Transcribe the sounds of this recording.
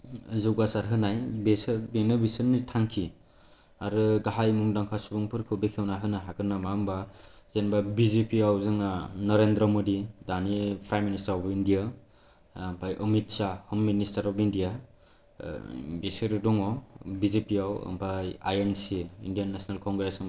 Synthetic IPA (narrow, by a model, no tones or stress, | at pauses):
zuwɡasaɾɦɯnajbesɯɾbenɯbisnitʰaŋkʰi | aɾɯɡaɦajmuŋdaŋkʰasubɔŋpʰɯɾkʰɯbekʰewnaɦɯnaɦakɯnːamamba | zenbabizepiawzɯŋanɔɾendɾɔmodidanipʰajministaɾɔpindija | mpʰajʔɔmit̚sahɔmːinistaɾɔpindija | besɯɾɯdɔŋɔbizepiaw̰mpʰaja̰jensiindijanːasnalkʰɔŋɡɾesɯŋ